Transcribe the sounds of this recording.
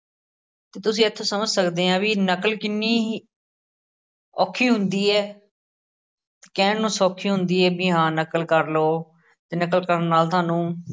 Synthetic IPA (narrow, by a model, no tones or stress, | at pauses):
t̪eːt̪ʊsĩːət̪ʰːoːsəməd͡ʒsəkd̪eːãːʋiːnəkəlkɪnːiː | ɔːkʰːiːɦʊnd̪iːɛː | t̪e̥ːkɛ̃ːɳnũːsoːkʰːiːɦʊnd̪iːɛːbiːɦãːnəkəlkəɾloː | t̪eːnəkəlkəɾənːaːlt̪ʊaːnũː